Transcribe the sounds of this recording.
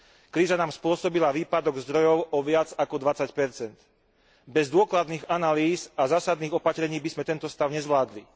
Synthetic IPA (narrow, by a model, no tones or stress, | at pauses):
kɾiːzanaːmspʊɔsɔbilaʋiːpad̪ɔɡzd̪ɾɔjɔʊʔɔʋɪad͡zakɔd̪ʋat͡sacpɛɾt͡sɛnt̪ | bɛzd̪ʊɔklad̪niːɣanaliːzazaːsad̪niːɣɔpat̪ɾɛɲiːbizmɛt̪ɛnt̪ɔst̪aʊɲɛzʋlaːd̪li